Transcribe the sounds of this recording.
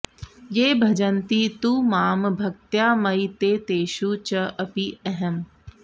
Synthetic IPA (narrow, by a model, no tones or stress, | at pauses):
jeːbʱɐd͡ʒənt̪it̪uːmaːmbʱɐk̚t̪jaːmɐit̪eːt̪eːʃut͡ʃɐʔɐpiɛɦɛm